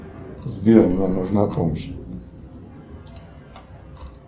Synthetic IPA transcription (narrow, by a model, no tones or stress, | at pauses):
zbʲjɔɾnamɔʐnapɔmɕ